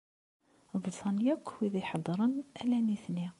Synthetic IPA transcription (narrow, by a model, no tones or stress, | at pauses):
bɾit̪ˤɑnjækːhwiðæjħɑd̪ˤːɾˤənælæniθni